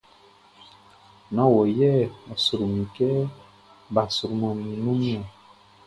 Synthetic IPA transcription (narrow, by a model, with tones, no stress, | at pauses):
nɔ̃˦wɔ˨jɛ˦˨ɔ˨su˨ɾu˨mĩ˨kɛ˦ | bã˨su˨ɾu˨mɔ̃˨nĩ˨nũ˦mi˦ɔ˨